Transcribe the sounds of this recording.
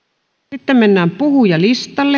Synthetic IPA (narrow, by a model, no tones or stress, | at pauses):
it̪ːemmenːæːmpuhujɑlist̪ɑlːe